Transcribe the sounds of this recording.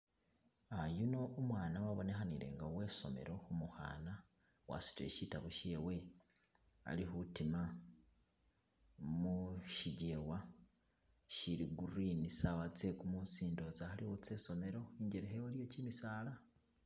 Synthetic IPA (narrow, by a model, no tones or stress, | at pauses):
ajuno̞ːmwaːnawaβonexaniɾe̞̰ŋɡawe̞ːso̞̰me̞̰ɾo̞humuxa̰ːna | wa̰si̥twḛʃitaβoʃewe̞ | a̰lihutima | muʃiɟewa | ʃiɾiɡuɾinisaβat͡sekumusiːndozahalihot͡seːso̞me̞ɾo̞iɲɟeɾeɦewalijocimisaːla